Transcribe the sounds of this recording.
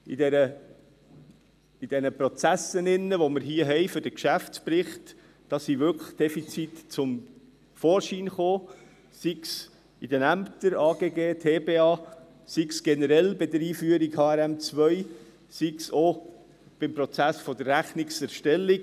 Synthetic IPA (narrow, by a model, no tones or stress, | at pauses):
idɛɾə | id̥ɛnəpɾɔt͡sæsənɪnːəʋoməɾɦiəɦɛɪfʏɾd̥əkʃæft͡spɾɪχt | d̥ɑsiʋʏkʰlə̥χd̥ɛfit͡sitt͡sʊm | fɔːɾʃiːnχoː | siks | id̥ənæmptəɾɑːɡ̥eːɡeːtʰeːbeːɑː | siksɡ̥ɛnəɾɛlbɪd̪əɾiːfyəɾiɡhɑːɛɾɛmt͡svœj | sikso | b̥ɪmpɾɔt͡sæsfɔd̪ərːæχniksɛɾʃtɛlːiɡ